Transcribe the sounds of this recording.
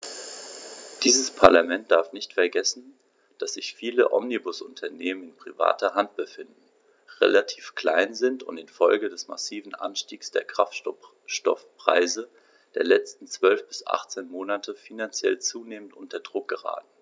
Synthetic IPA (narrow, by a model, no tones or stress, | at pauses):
d̥iːzəspʰaɐlamɛnt̚d̥aɐfnɪçtfɛɐɡɛsn̩ | d̥asz̥ɪçfiːlə̰ʔɔ̰mnibʊsʔʊntʰɐneːmənɪnpʁ̥iva̰ːtɐɦant̚b̥əfɪndn̩ | ʁḛlatʰiːfkl̥aɪnzɪntʊ̰ntɪnfɔlɡədɛsma̰siːvn̩ʔa̰nʃtiːksd̥eːɐkʁ̥aftɔ | ʃtɔfpʁ̥a̰ɪzə | d̥eːɐlɛt͡stn̩t͡sv̥œlfb̥ɪsʔa̰χt͡seːnmoːnatʰəfinant͡sjɛlt͡suːneːmən̩tʔʊntɐdʁʊk̚ɡ̥əʁa̰ːtn̩